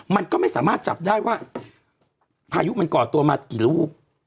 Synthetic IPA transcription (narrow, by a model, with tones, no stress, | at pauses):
ma˧nkɔː˥˩ma˥˩jsaː˩˦maː˥˩t̪̚t͡ɕa̰˨˩p̚daː˥˩jwaː˥˩ | pʰaː˧ju˦˥ma˧nkɔː˨˩t̪u˧ɐmaː˧kiː˨˩luː˥˩k̚